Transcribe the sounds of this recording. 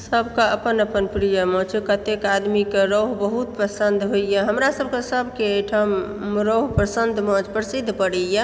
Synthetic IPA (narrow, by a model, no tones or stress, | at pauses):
səbʱkaəpənəpənpɾijəmɔ̃t͡ʃekət̪ekad̪mikeɾoɦbəɦut̪̚pɾəsənd̪ʱɦoijaɦəmɾasəb̚ʱkesəbʱkeʈʰam | ɾoɦpɾəsənd̪ʱmɔ̃d͡ʒpɾəsid̪ʱːpəɽɛjə